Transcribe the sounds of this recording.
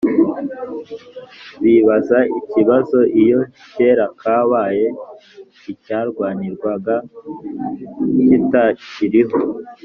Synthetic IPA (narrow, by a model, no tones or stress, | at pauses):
βiβazaiciβazo̞ʔijo̞ | ce̞ːɾakʰaːβaːje̞ | icaːɾɡwaːniɾɡwaɡa | citaciɾiɦo̞